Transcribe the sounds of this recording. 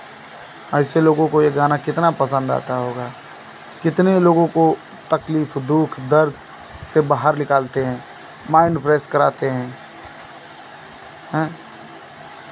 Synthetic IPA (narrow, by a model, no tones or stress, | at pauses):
ɛɪseloːɡõkojeɡaːnakɪt̪napəsə̃nd̪a̰ːt̪aɦoːɡaː | kɪt̪neloːɡõko | t̪ɐkliːfʰd̪uːkʰd̪əɾd̪ʱ | sebaːɦəɾnɪkaːlt̪eɦɛ̃ː | maːɪ̃ɳɖpɾeːskəɾaːt̪eɦɛ̃ː | ɦɛ̃ː